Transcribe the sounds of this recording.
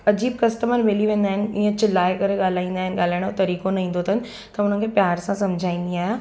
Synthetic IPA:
ɐd͡ʑiːb̚kɐsʈəməɾʋeːliʋẽːn̆d̪aːɦɪnɪ̆iːẽt͡ɕɪlaːekɐɾeɠaːl̤aːĩːn̆d̪aːɦɪnɪ̆ɠaːl̤aːɪɽ̃ot̪ɐɾiːkonɐĩːn̆d̪ot̪ʰən̆ | t̪ɐʊn̤ənkʰepjaːɾsãsɐmd͡ʑʱaːĩːn̆d̪iaːɦe

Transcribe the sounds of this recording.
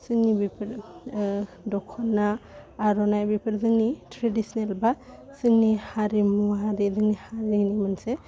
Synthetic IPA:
sɯŋnibipʰɾ | dɔkʰɔnːaːɾɔnajbipʰiɾzɯŋnitɾedisnelbasɯŋnihaɾimuaɾizɯŋnihaɾinimɯnse

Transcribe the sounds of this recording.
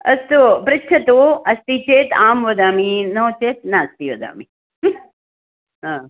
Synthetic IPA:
ɐst̪opɾɪtːt͡ʃʰɐt̪oɐst̪iːt͡ʃeːt̪aːmʋɐd̪aːminɐõt͡ʃeːt̪̚naːst̪iːʋɐd̪a̰ːmi | ɦãː

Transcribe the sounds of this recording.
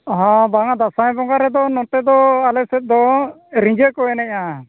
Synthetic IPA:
ɦɔ̃baŋad̪asaj̃bɔŋɡaɾɛd̪ɔnɔʈɛd̪ɔalɛsɛt̪̚d̪ɔɾĩɲd͡ʒɛkɔɛnɛa

